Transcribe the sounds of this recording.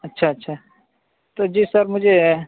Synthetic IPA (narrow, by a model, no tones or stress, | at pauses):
ɐtːʃʰaɐtːʃʰa | t̪od͡ʒiːsəɾmʊd͡ʒʱe